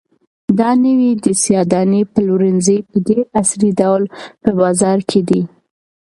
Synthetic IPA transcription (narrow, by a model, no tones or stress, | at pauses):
d̪ɑnəwid̪əsjɑd̪ɑnepəlwɾənzəjpəd̪eʔaslidawlpəbɑzɑɾkʰed̪i